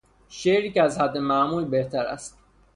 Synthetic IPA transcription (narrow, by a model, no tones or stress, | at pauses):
ʃeʔɾiːcæzhæd̪ːemæʔmuːlbe̞ht̪ʰæɾæ̰st̪̚